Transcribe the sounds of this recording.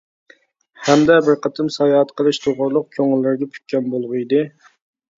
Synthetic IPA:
hæmd̪ɛbɪɾqʰɑt̪ʰɨmsɑjɑɦɑt̪qʰəlˠɨʃt̪ʰoʁʊɾlˠʊq̚kʲʰøŋɪlːɪɾɡʲɛpʰy̥t̪̚ʲkʲɛnbolˠʁʊid̪ɨ

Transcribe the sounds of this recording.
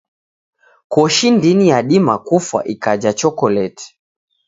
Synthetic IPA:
kɔʃindinijaɗimakufwa̰ʔikad͡ʒat͡ʃɔkɔlɛti̥

